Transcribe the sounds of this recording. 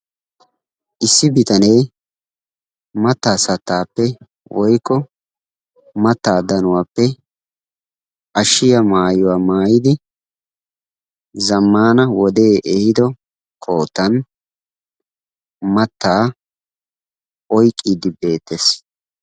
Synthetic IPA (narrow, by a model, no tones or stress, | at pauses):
ʔɪsːɪbɪt̪ɐnɛj | mɐt̪ːaːsɐt̪ːaːpːɛ | wʔɔjkːɔ | mɐt̪ːaːd̪ɐnʊwaːpːɛ | ʔɐʃɪjɐmaːjʊwaːmaːjɪd̪ɪ | zɐmːaːnɐwɔd̪e̞ːʔɛhɪd̪ɔ | kʰoːt̪ːɐn | mɐt̪ːaː | ɔjkʼːiːd̪ɪbe̞ːt̪ːes